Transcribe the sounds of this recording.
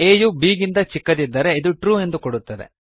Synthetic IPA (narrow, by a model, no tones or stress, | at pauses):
eːjubiːɡind̪ɐt͡ʃikːɐd̪id̪ːɐɾe̞id̪uʈɾuːe̞nd̪ukoɽut̪ːɐd̪ḛ